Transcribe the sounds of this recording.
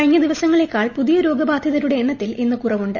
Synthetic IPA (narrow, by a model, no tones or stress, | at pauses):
ɐɻiɲːɐd̪iʋɐsɐŋːɐɭe̞kːaːɭpuðijɐɾo̞ːɡɐbaːd̪ʱjɐðɐɾuɽe̞eɳːɐt̪ːilʔenːɨkurɐʋuɳɖɨ